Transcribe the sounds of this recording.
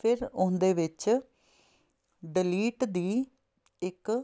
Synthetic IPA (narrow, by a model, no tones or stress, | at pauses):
pʰɪɾʊnd̪eːʋɪt͡ʃ | ɖɪliːʈd̪iː | ɪk